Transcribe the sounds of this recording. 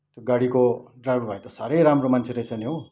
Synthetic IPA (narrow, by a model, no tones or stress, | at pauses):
t̪joɡaɽikoɖrajbbʱajt̪ʌsaɾʌjɾamromant͡sʰeɾʌjt͡sʰʌniɦo